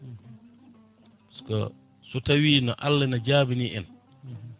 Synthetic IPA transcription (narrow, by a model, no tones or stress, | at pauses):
skɔ̰ | sutawiːnɔ̰ʔalːɛnad͡ʒaːbiniʔɛn